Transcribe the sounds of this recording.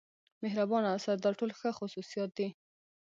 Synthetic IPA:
meɦɾabɑnasad̪̚d̪ɑʈolxəxʊsusijɑt̪̚d̪i

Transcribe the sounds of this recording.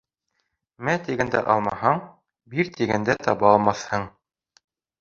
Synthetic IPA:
mæt̪iɡænd̪æ̰ʔɑ̰lˠmɑhɑɴ | biɾt̪iɡænd̪æt̪ʰɑβɑːlˠmɑθhɤɴ

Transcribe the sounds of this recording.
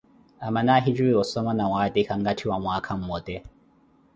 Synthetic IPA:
amanaɦid͡ʒuiɔsɔmanawad̪ikaŋɡatʰiwamwakʰam̩mɔd̪ɛ

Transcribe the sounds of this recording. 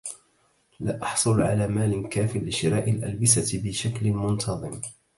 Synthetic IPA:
laːʔɑħsˤʊlʕa̰laːmaːlɪkaːfɪlːɪʃɪɾaːʔalʔalbasabɪʃaklmʊnt̪ʰɑðˤɨm

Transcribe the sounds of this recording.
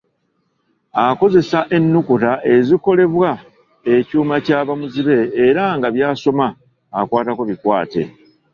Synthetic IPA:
ako̞ze̞saʔe̞nːukutaʔe̞ziko̞le̞βwa | e̞cuːmacaːβamuziβe̞ːɾaŋɡaβjaːso̞maː | kwaːtako̞βikwaːte̞̰

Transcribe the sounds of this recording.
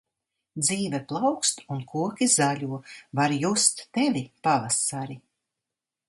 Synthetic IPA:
d̪ziːvɛplˠawkst̪unkʰuɔkʲizaʎʲuɔvaɾjust̪ːevʲipavasaɾi

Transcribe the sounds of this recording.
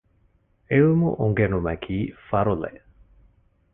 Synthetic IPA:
emṵʔuŋɡenumækʰiːfaɾulḛ

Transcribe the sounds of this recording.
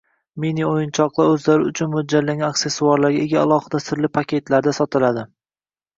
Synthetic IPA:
miniojɪnt͡ʃʰɒqlˠaɾɵzlaɾɪʊt͡ʃʰʊnmʊd͡ʒalːaŋʲakse̞sːuaɾlaɾɡʲaeɡʲaalˠɒhɪd̪asɪɾlɪpʰakʲe̞t̪laɾd̪asɒt̪ʰɪlad̪ɪ

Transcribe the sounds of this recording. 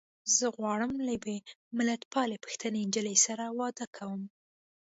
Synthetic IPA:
zəɣwɑɽəmlabemɪlat̪pʰɑlepə̥xt̪ənend͡ʒəlesaɾawɑd̪əkʰawəm

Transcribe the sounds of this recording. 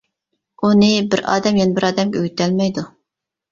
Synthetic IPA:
unɨbɪɾɑ̰ːd̪ɛmjɛnɪbɪɾɑːd̪ɛmkʲøɡʲyt̪ɛlmɛjd̪u

